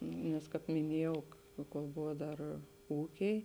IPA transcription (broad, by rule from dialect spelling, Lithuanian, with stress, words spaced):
nʲɛs ˈkɑːp mʲɪˈnʲiɛjɛʊ koːlˠ ˈbʊʋoː ˈdɐr ˈuːkʲɛɪ